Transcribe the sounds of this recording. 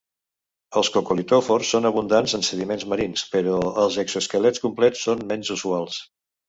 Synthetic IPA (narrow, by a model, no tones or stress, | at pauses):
əlˠskokulit̪ofoɾsːonəβund̪anzənsəðimenzməɾinspəɾɔəlˠzəksuəskəlɛt͡skumplɛt͡sːonmɛnzuzualˠs